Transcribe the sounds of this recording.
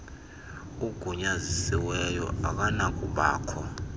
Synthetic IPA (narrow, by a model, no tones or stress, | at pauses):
uɡ̥ʱuɲazisiwɛjɔ̰ak̬ʼanak̬ʼuɓa̰ːkʰɔ